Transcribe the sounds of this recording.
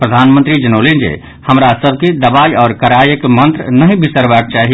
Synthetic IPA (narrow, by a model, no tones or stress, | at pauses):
pɾəd̪ʱanmənt̪ɾid͡ʒənolend͡ʒḛ | həmɾasəbʱkid̪əbajɔːɾkəɾajəkmənt̪ɾnəɦĩbisəɾbaːk̚t͡ʃaɦi